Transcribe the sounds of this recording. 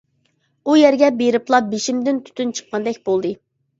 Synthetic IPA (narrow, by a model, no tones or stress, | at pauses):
ujɛɾɡʲɛbeɾɨplˠɑbeʃimd̪ɪnt̪ʰy̥t̪ynt͡ʃʰə̥qːɑnd̪ɛkʲbolˠd̪ɨ